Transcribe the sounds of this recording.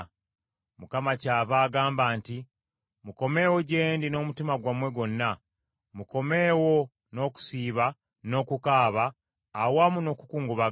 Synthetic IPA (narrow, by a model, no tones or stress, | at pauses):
mukamacaːvaːɡaːmbaːnti | muko̞me̞ːwo̞ɟe̞ːndino̞ːmutimaɡwamwe̞ɡo̞nːa | muko̞me̞ːwo̞ | no̞ku̥siːβa | no̞ːkukaːβaː | wamuno̞ːkukuːŋɡuβa